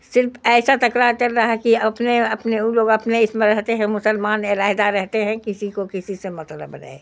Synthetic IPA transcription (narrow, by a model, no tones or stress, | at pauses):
sɪɾfɛːsat̪ɐkɾaːɾkɐɾːaaɦɛkiɐpneɐpneloːɡɐpneɪsmẽɾɛɦt̪eɦɛ̃mʊsəlmaːnɪɾaːɦɪd̪aɾɛɦt̪eɦɛ̃kɪsikokɪsisemɐt̪lə̰bɾɐ̰e